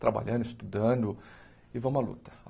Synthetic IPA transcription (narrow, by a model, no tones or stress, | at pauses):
t̪ɾaba̰ʎɐ̃nd̪ʊɪst̪ud̪ɐ̃d̪ʊ | ɪvɐ̃mɐlṵt̪ɐ̥